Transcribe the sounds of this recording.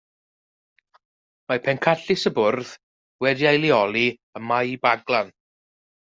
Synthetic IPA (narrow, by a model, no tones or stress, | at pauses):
mapʰɛnkʰaɬɪsəbʊrð | wɛdiajlˠiɔlˠi | əmajbaɡlˠan